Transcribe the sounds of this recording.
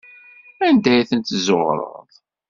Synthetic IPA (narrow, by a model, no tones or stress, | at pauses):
ænd̪æjθənt̪zoʁɾˤə̰ðˤ